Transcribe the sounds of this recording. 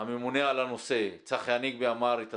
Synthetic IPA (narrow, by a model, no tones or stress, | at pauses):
amemunealano̞se̞t͡saχjaniɡ̚beamaɾet̪a